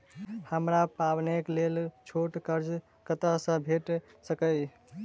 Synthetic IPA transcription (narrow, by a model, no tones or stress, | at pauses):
həmɾapabneklelt͡ʃʰoʈkəɾd͡ʒ | kət̪əsə̃bʱeʈsəkəj